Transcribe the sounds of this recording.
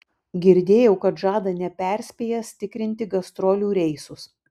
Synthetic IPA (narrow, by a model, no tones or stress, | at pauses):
ɡʲɪɾʲd̪ʲeːjɛʊkɐt̪ʒɑːd̪ɐnʲɛpʲɛɾʲsʲpʲeːjɛsʲt̪ʲɪkɾʲɪnʲt̪ʲɪɡɐst̪ɾɔːlʲuːɾʲɛɪsʊs